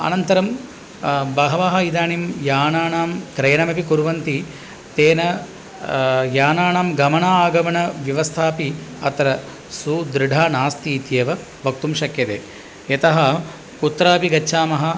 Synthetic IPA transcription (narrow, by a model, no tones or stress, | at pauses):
ɐ̰nɐnt̪ɐɾɐm | bɐɦɐʋɐɦɐid̪aːɳimjaːnaːnaːmkɾɐjɐnɐmɐpikuɾʋɐnt̪i | t̪eːnɐ | jaːnaːnaːmɡɐmɐɳaːaːɡɐmɐɳɐʋjɐʋɐst̪ʰaːpiɐt̪ɐɾɐ | sud̪ɾɪɖʱaːnaːst̪iːt̪jeːʋɐ | ʋɐk̚t̪umʃɐkjɐd̪ḛː | jɐt̪ɐɦɐ | kut̪ːɾaːpiɡɐːʃʰaːmɐɦɐ